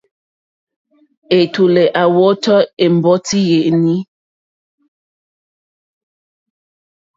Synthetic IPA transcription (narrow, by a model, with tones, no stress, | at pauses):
e˨tu˨lɛ˨ʔa˨wɔ˦tɔ˦e˨m˨bɔ˦ti˦je˨ʔni˦